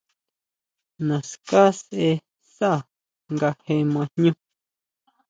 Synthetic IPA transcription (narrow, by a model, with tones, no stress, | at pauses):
nã˨ska˦sʔe˧ | sa˦˨ | ŋɡa˧hẽ˧mã˧n̥ɲũ˦